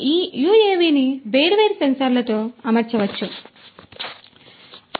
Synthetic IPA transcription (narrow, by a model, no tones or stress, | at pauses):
iːjuːeːʋiːnibeːɾʋeːɾsɐnsaːɾlɐt̪o̞ːɐmɐɾt͡ʃɐʋɐt͡ʃːu